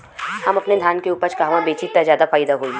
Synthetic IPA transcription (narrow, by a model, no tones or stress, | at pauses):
hɐmɐpned̪ʱjaːnkeuːpəɾt͡ʃkaːʋãbeːt͡ʃit̪ːazjaːd̪afaːɪd̪aɦoːi